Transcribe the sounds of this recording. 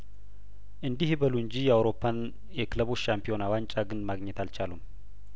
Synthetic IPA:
ʔɨnd̪ihbəluɨɲd͡ʒijɛawɾo̞pʰːan | ɛkləβoʃampʰio̞nawaɲt͡ʃʼaɡɨnmaɡɲɛt̪alt͡ʃalum

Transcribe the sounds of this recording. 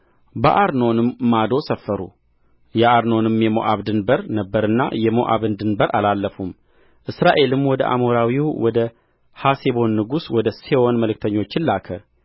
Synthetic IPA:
bə̰ʔaɾno̞nɨmːad̪o̞səfːəɾṵ | jɛʔaɾno̞nɨmjɛmo̰ʔaβd̪ɨnbəɾnəbːəɾɨnːa̰jɛmo̰ʔa̰βɨnd̪ɨnbəɾʔalalːəfum | ʔɨsɾaʔe̞lɨmwɔd̪əʔa̰moɾawiwwɔd̪ə | hasebo̞nːɨɡuswɔd̪əsewonməlɨk̚t̪ʰəɲːo̞t͡ʃːɪlːakʰə

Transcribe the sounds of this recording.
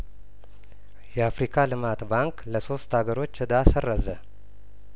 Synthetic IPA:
jɛafɾikʰalɨmat̪baŋkləso̞st̪haɡəɾo̞t͡ʃːɨd̪asərːəzə

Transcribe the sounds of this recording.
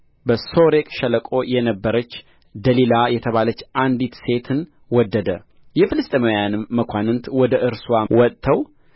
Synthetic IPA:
bəso̞ɾekʼʃələkʼojɛnəbːəɾət͡ʃː | d̪əlilajɛt̪ʰəβalət͡ʃːand̪it̪se̞t̪ʰɨn | wɔd̪ːəd̪ə | jɛfɨlɨst̪ʼmojanɨmːəkʷʰanɨnt̪wɔd̪əʔɨɾswawɔt̪ʼt̪ʰːəw

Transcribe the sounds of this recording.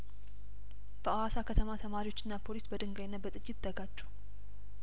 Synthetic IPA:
b̥əawasakʰət̪ʰəmat̪ʰəmaɾiwo̞t͡ʃːɪnːapʰo̞lisbəd̪ɨŋɡajɪnːət̪̚bət̪ʼɨjːɪt̪d̪ːəɡat͡ʃːu̥

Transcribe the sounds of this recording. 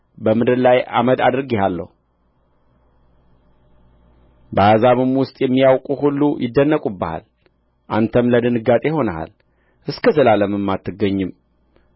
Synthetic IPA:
bəmɨd̪ɨɾlaja̰məd̪a̰d̪ɨɾɡehalːə̰hu | bəazaβɨmwʊst̪ʼjɛmːijawkʼuhulːujʔɪd̪ːənːəkʼubːəha̰l | ʔant̪ʰəmləd̪ɨnɨɡat̪ʼeho̞nəɦa̰l | ʔɨskʰəsɨlaləmɨmːat̪ʰːɨɡːəɲːɨm

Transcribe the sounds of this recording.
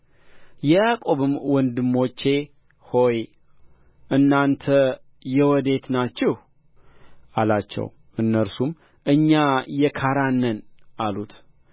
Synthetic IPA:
jɛjakʼo̞βɨmwɔnd̪ɨmːo̞t͡ʃːe̞ | ho̞j | ʔɨnːant̪ʰə | jɛwɔd̪e̞t̪nat͡ʃːɛh | alat͡ʃːɛ̰w | ʔɨnːəɾsum | ʔɨɲːajɛkʰaɾanːənʔalut̪

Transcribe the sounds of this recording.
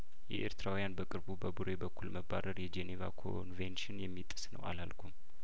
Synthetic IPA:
jɛʔeɾt̪ʰɨɾawjanbəkʼɨɾbubəbuɾebəkʰːulməbːaɾəɾjɛd͡ʒeneva̰kʰo̰nvenʃɪnjɛmːit̪ʼːɨsnə̰wa̰lalkʷʰum

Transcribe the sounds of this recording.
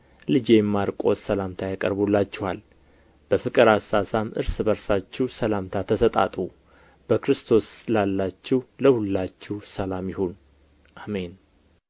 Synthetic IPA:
lɨd͡ʒejɛmːaɾkʼosəlamt̪ʰajakʼə̰ɾbulːat͡ʃːɪhal | b̥əfɨkʼɨɾasasamʔɨ̰ɾsɨbəɾsat͡ʃːɛsəlamt̪ʰat̪ʰəsət̪ʼa̰t̪ʼu | b̥əkɾɨst̪ʰo̞slalːat͡ʃːɪhləhʊlːat͡ʃːɪhsəlamjɪho̞n | ʔamen

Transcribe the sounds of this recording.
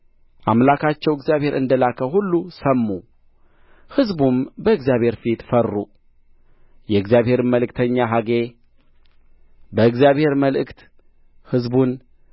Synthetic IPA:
ʔamlakʰat͡ʃːɛwɪɡzjaβhe̞ɾɨnd̪əlakʰəhulːusəmːu | hɨzbumbəɨɡzjaβhe̞ɾfit̪fərːu | jɛɨɡzjaβhe̞ɾɨməlɨkt̪ʰəɲːaɦaɡe̞ | bəɨɡzijaβhe̞ɾməlʔɨkt̪ | hɨzbun

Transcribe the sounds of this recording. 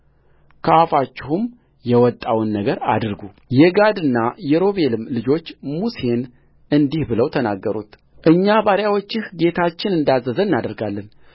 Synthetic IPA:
kʰafat͡ʃːɪhum | jɛwɔt̪ʼːawnːəɡəɾa̰d̪ɨɾɡu | jɛɡad̪ɨnːajɛɾo̞βe̞lɨmlɨd͡ʒo̞t͡ʃːmusen | ɨnd̪ihbɨləwt̪ʰənaɡːəɾṵt̪ | ʔɨɲːabaɾjawot͡ʃːɪhɡe̞t̪ʰat͡ʃːɪnɨnd̪azːəzənnːad̪əɾɡalːən

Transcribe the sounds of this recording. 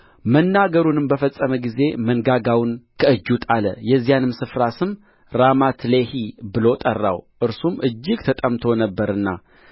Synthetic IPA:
mənːaɡəɾunɨmbəfəsʼːəməɡize̞mənɡaɡawnkʰəɨd͡ʒːut̪ʰʼaləjɛzːijanɨmsɨfɾasɨm | ɾamat̪ʰlehibɨlo̞t̪ʼərːa̰wʔɨɾsumʔɨd͡ʒːɪɡt̪ʰət̪ʼəmt̪ʰo̞nəbːəɾɨnːa̰

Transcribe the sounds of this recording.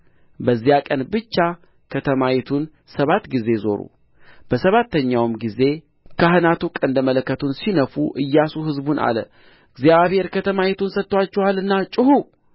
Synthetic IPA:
bəzːijakʼənbɨt͡ʃːa | kʰət̪ʰəmajɛt̪ʰun | səβat̪ɡize̞zo̞̰ɾṵ | b̥əsəβat̪ːəɲːawɨmɡize̞ | kʰaɦɨnat̪ukʼənd̪əmələkːət̪ʰunsinəfuʔɨjːasuɦɨzbunʔa̰lə̰ | ɨɡzijaβhe̞ɾkʰət̪ʰəmajɛt̪unsət̪ːwat͡ʃːɛhalɨnːat͡ʃʼɪhu

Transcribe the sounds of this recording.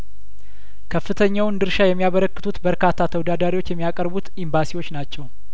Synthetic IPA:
kʰəfːɨt̪ʰəɲːawnd̪ɨɾʃajɛmːijaβəɾəkːɨt̪ʰut̪bəɾkat̪ʰːat̪ʰəwd̪ad̪aɾiwo̞t͡ʃːjɛmːijakʼəɾbut̪imbasiwo̞t͡ʃːnat͡ʃːɛw

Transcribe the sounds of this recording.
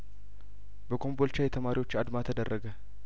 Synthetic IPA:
bəkʰo̞mbolt͡ʃajɛt̪ʰəmaɾiwo̞t͡ʃːad̪mat̪ʰəd̪ərːəɡə

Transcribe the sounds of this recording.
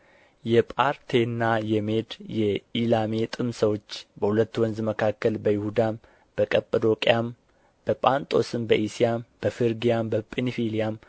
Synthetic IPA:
jɛpʼaɾt̪ʰe̞nːajɛme̞d̪jɛilame̞t̪ʼɨmsəwo̞t͡ʃːbəhulət̪ːwɔnzməkʰakːəlbəjɪhud̪am | b̥əkʼəpʼəd̪o̞kʼijam | b̥əpʼant̪ʼo̞sɨmbəʔisijamb̥əfɨɾɡijambəpʼenfilijam

